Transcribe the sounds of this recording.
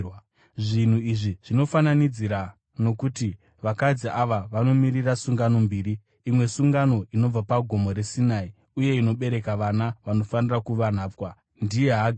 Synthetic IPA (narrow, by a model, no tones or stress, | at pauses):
ʐin̤uiʐiʐ̥ino̞fananid͡ziɾa | no̞kuti | ʋakad͡ziʔaʋaʋano̞mirirasuŋɡano̞mbiːɾiː | mwe̞suŋɡano̞ʔino̞b͡vapaɡʱo̞mo̞ɾe̞sinai | uje̞ino̞ɓe̞ɾe̞kaʋanaʋano̞fanirakuʋan̤aːpwa | ndijeɦaɡʱ